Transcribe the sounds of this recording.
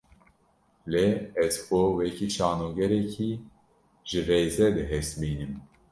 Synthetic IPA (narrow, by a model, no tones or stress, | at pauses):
leːɛzkowɛkiʃɑːnoːɡɛɾɛkʰiː | ʒ̥ɨreːzɛd̪ɨɦɛsbiːnɨm